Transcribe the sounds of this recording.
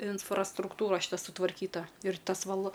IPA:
ɪnfrɐstrʊkˈtuːrɐ ʃʲɪˈtɐ sʊtʋɐrʲˈkʲiːtɐ ɪr ˈtɐs ʋɐlˠ

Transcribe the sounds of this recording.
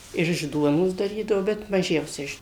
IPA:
ɪr ɪʃ ˈduɔnoːs dɐˈrʲiːdɐʋoː bʲɛt ˈmɑːʒʲɛʊsʲɛ ˈɪʃ

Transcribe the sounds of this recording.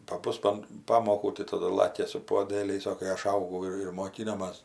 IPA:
pɐˈbʊs ɐn ˈpɑːmoːkuː tɐɪ tɐˈdʊ ɪr ˈlˠɑːkʲɛ sʊ puɔˈdʲeːlʲɛɪs oː kɐɪ ˈɐʃ ˈɐʊɡɐʊ ɪr ɪr moːˈkʲɪnoːmɐs

